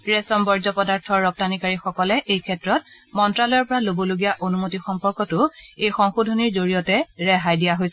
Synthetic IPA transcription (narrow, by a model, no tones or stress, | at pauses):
ɹɛsɔmbɔɹzɔpɔdaɹtʰɔɹːɔp̚tanikaɹixɔkɔlɛʔejkʰɛtɹɔt̚ | mɔntɹalɔjɔɹpɔɹalobɔloɡijaʔonumotixɔmpɔɹkɔtʊejxɔŋxudʱoniɹzoɹijɔtɛɹɛɦajdijaɦojsɛ